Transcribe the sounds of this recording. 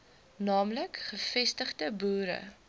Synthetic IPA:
nɑːmləkχəfɛstəχdəbuːɾə̰

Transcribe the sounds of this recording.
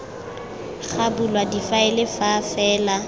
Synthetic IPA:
χabulwadifaɪlɪfafɛːla

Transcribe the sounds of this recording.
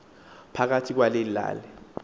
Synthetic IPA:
pʰak̬atʰik̬walelila̰ːlɛ

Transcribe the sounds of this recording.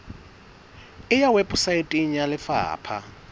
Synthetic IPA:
ɪjawɛpʼʊsaɪtʼɪɲ̩jalɪfa̰ːpʰa̰

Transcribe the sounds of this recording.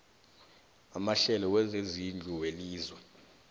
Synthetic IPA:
amaɬɛlɔwɛzezind͡ɮʱuweliːzwɛ

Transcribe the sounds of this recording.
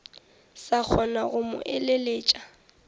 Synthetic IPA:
sak͡xʰɔnaɣʊmʊ̰ʔɛleleːt͡ʃʼa

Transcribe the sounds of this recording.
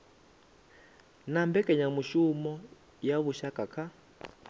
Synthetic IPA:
nambɛkʼɛɲamuʃumɔ | jaβuʃakʼakʰa

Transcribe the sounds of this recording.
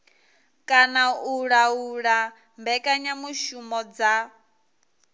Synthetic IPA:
kʼanauɺauɺa | mbɛkʼaɲamuʃumɔd͡za

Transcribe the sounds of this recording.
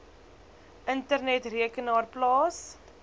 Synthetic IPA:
ʔəntərnɛtriəkənɑːrplɑːs

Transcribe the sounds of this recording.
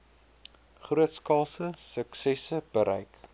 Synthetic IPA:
χruətskɑlˠsəsəksɛsəb̥əɾɛ̰jk

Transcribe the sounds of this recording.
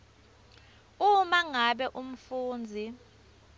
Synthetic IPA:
umaŋaɓɛʔum̩fuːnd͡zʱi

